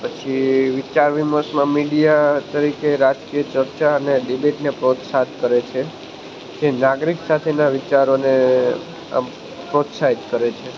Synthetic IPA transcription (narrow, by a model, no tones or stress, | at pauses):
pət͡ʃʰiʋɪt͡ʃaɾʋiməsmãmiɽijat̪əɾikeɾad͡ʒkijət͡ʃəɾt͡ʃaəneɖibeʈnepɾot̪sad̪kəɾet͡ʃʰe | d͡ʒenaɡɾiksat̪ʰenaʋɪt͡ʃaɾone | pɾot̪saɦit̪kəɾet͡ʃʰe